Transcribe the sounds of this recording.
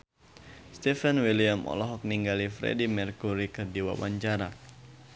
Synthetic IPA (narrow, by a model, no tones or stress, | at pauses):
st̪ɛfanwiliamɔ̰lɔɦɔk̚niŋɡalifɾɛ̰dimɛrkuɾikɨrdiwa̰waɲt͡ʃaɾa